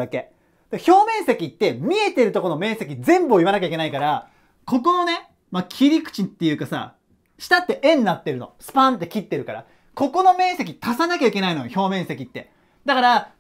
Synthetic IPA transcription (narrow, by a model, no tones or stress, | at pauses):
ake̞ | d̪̥eço̞ːmẽ̞ɰ̃se̞kʲit̪ːe̞mʲie̞t̪e̞ɾɯ̟t̪o̞ko̞no̞mẽ̞ɰ̃se̞k̬ʲizẽ̞mbɯ̟oiβanakʲaike̞naikaɾa | ko̞ko̞no̞ne̞ | makʲʰiɾʲikɯ̥t͡ɕit̪ːe̞jɯ̟ːkasa̰ | ɕi̥t̪at̪ːe̞ʔẽ̞nːat̪ːe̞ɾɯ̟no̞̰sɨ̥pãnt̪̬ːe̞kʲit̪ːe̞ɾɯ̟kaɾa̰ | ko̞ko̞no̞mẽ̞ɰ̃se̞kʲit̪asanakʲaikʲe̞naino̞joço̞ːmẽ̞ɰ̃se̞kʲit̪ːe̞ | d̪akaɾa